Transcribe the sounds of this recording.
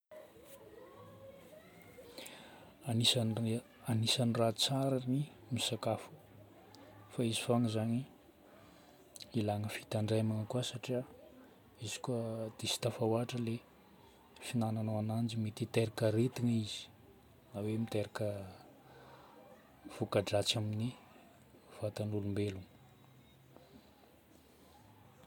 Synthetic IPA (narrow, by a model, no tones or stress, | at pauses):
ani | anisanirat͡saɾani | misakafu̥ | faizifaŋəzaɲi | ilaŋəfi̥t̪aɳɖ͡ʐajmaŋəkuasaʈ͡ʂia | izi̥kuad̪̥esi̥t̪afawaʈ͡ʂəle | finananawanand͡ʒimit̪it̪eɾakəɾet̪iŋəiz̥i̥ | nawemit̪eɾakə | v̥ukaɖ͡ʐat͡samini | v̥at̪anulumbelunə